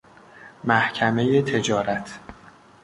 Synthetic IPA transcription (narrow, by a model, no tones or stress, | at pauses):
mæhcʰæme̞jet̪ʰe̞d͡ʒɒːɾæt̪ʰ